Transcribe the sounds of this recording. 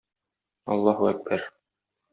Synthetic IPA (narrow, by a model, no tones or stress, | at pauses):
ɑ̰lˠːɑhuæk̚bæɾ